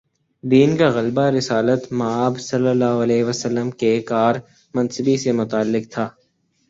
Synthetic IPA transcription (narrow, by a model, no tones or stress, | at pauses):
d̪iːnkaɣɐlbaɾɪsaːlət̪mɐaːbsɐlːəlːaːɦoɐlɛːʋəsəlːəmkekaːɾ | mɐ̃nsəbisemʊt̪aːlːɪk̚t̪ʰaː